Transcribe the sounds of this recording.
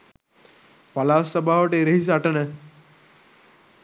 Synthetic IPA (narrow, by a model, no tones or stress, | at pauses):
palaːsɐbʱaːʋəʈeɾeɦis̬aʈənə